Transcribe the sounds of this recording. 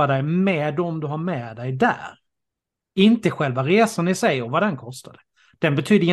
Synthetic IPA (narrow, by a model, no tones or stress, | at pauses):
ad̪ɛjmɛːd̪ɔmd̪ɵɦaɾmɛːd̪ɛjd̪æ̰ːɾ | ɪnt̪əɧɛlvaɾeːsanɪsɛjɾɔvad̪ɛnkʰɔst̪ad̪ə | d̪̥ɛnbɛt̪ʰyːd̪əɪ